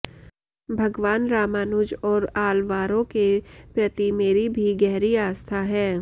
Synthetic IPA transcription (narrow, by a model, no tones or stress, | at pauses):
bʱɐɡʋaːnɾaːmaːnud͡ʒɔːɾaːlʋaːɾõkepɾɐt̪imeːɾibʱiɡɛɦɾiaːst̪ʰaɦɛː